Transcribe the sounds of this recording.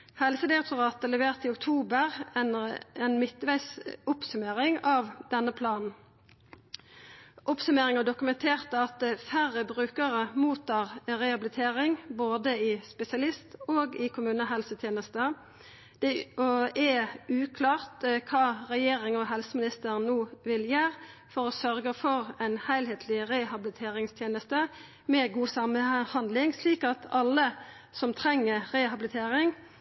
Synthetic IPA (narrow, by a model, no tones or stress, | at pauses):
hɛlsəd̪ɪɾɛk̚t̪ʊʁɑːt̪əlɛʋeːʁt̪ɪʊkt̪ʰuːbəʁnɛnmɪt̪ːʋæɪsʊpsʉmeːʁɪŋɑːʋd̪̥ɛnːəpʰlɑːnn̩ | ʔʊpsʉmeːʁɪŋɑd̪ʊkʉmɛnt̪ʰeːʁt̪əɑt̪fæɾəbʁʉːkəʁəmuːt̪ʰɑːʁʁɛɑbɪlɪt̪ʰeːʁɪŋboːd̪əɪspɛsɪɑlɪst̪oːɡɪkʰʊmʉːnəɦɛlsət̪ʰjeːnəst̪ə | d̪̥ɛɔɛʉːkʰlɑːʁt̪kʰɑːʁɛjeːɾɪŋɔɦɛlsəmɪnɪst̪əʁnuːʋɪljæːʁfɔɾɔsœʁɡəfɔʁæɪnhæɪlheːt̪ʰlɪʁɛhɑblɪt̪ʰeːʁɪŋst̪ʰjeːnəst̪ə | mɛɡuːsɑməhɑnd̪lɪŋsliːkɑt̪ɑlːə | sɔmt̪ʰɾɛŋːəʁɛhɑbɪlɪt̪ʰeːʁɪŋ